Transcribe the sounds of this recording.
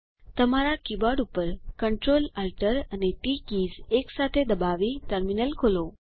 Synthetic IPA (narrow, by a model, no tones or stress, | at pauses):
t̪əmaɾakibaɖupəɾkəɳʈɾolalʈəɾəneʈikizeksat̪ʰed̪əbaʋiʈəɾminəlkʰolo